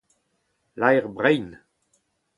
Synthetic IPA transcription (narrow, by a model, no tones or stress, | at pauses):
lajʁbʁɛjn